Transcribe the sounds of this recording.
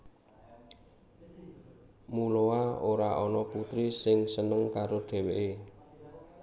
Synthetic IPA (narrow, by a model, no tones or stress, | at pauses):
muloaoɾaʔɔnɔput̪ɾisɪŋsənəŋkaɾoɖ̪̥e̤weʔe